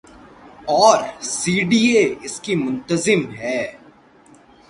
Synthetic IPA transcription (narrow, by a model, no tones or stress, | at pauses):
ɔːɾsiːɖiːeɪskimʊ̃nt̪əzɪmɦɛː